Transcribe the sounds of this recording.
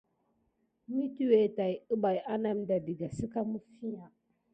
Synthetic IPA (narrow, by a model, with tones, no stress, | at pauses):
mi˦tu˦we˨ta˨ju˦ba˨jʔa˦na˦˨mda˨di˨ɡa˨si˦ka˦mu˦fi˦ja˨